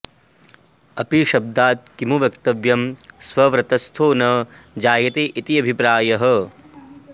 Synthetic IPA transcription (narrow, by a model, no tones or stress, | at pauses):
ɐpiʃɐb̚d̪aːt̪̚kimuʋjɐkt̪ɐʋjɐmswɐʋɾɐt̪ɐst̪ʰoːnɐ | d͡ʒaːjɐt̪eːʔit̪iɐbʱipɾaːjɐɦɐ